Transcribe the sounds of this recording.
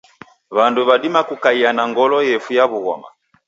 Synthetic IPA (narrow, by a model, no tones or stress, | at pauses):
βanduβadimakukaianaŋɡɔlɔjɛfujaβuɣɔ̰ma̰